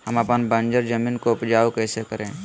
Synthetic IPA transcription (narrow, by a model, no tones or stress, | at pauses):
ɦəmɐpənbə̃nd͡ʒəɾd͡ʒɐmiːnkoʊpd͡ʒaːokɛːsekəɾẽː